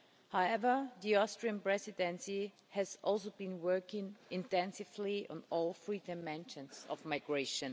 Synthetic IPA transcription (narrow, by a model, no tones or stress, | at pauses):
haʊɛvə˞ðiɔstɹ̥iə̃npɹ̥ɛzɨdɛ̃nsi | hɨzʔɔlˠs̬oʊbĩnwɜ˞kɪ̃ŋɪ̃ntɛ̃nsɪvliə̰̃nɔlˠfɹidamɛ̃nʃə̃nsɔ̰vmaɪɡɹeɪʃə̃n